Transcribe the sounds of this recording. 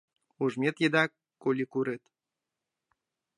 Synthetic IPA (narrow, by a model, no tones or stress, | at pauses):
uʒmʲet̪jed̪ɑk | kːolʲikuɾet̪